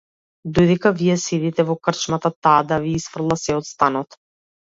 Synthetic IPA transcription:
d̪ɔjd̪ɛkavijɛsɛd̪it̪ɛvɔkr̩t͡ʃmat̪at̪aːd̪aviisfr̩d̪lˠasɛɔt̪st̪anɔt̪

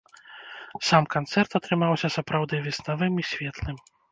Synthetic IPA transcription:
samkant̪sɛrt̪at̪ɾɨmawsʲɐsapɾawd̪ɨvʲɛsnavɨmisʲvʲɛt̪lˠɨm

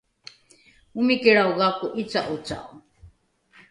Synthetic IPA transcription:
umikɛɽawɣakuʔit͡saʔut͡sa̰

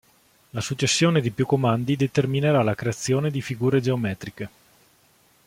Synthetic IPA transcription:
lasut͡ʃːesːjoːned̪ipjukːomand̪id̪et̪ermineɾalakɾeat̪sːjoːned̪ifiɡuːɾed͡ʒeomɛːt̪ɾike

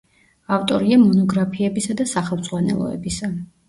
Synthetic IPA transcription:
aft̪ʼɔɾiamɔnɔɡɾapʰiɛbisad̪asaχɛlˠmd̪z̥ʼʁwanɛ̰lˠɔ̰ɛ̰bisa

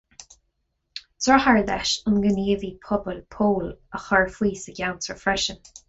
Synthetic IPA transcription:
tʰɹɔhaɹd̪ɛʃʊnɡəniːvipʰɔbəlpʰoːləxɔɹfwiːsəɡjawtʰɹəfɹɛʃən

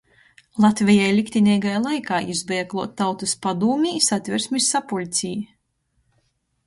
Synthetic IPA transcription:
lˠat̪vʲɛjajlʲikt̪ʲinʲiːɡajlˠajkaːʔizbɛːklˠuɔt̪ːawt̪uspad̪uːmʲiːsat̪ʲvʲɛɾsmisːapulʲt̪sʲij

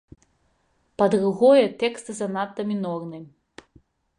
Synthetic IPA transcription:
pɐd̪ruɣɔjɛt̪ɛkst̪ɨzɐnat̪ːɐmʲinɔrnɨmʲ

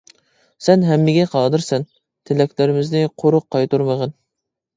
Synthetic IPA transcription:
sɛnɦɛmːɪɡʲɛqʰɑːd̪ɨɾsɛn | t̪ʰɪlɛkʲlɪɾɪmɪznɪqʰoɾʊqʰːɑjt̪uɾməʁən

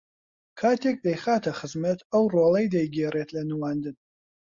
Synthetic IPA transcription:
kʰaːt̪ʰek̚d̪ɐjχaːt̪ʰɐχɨzmɐt̪ʰɐwroːlˠejd̪ɐjɡeːret̪ʰlɐnɨwaːnd̪ɨn

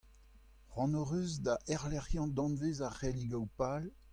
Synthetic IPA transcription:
ʁɑ̃nɔʁøzd̪aʔɛʁlɛʁjɑ̃d̪ɑ̃nvezaʁɛliɡawpal

